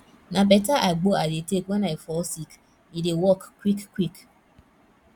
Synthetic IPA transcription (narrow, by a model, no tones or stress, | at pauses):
nabɛtaʔaɡ͡boadetekwɛnaifɔsik | idewɔkkːwikkːwik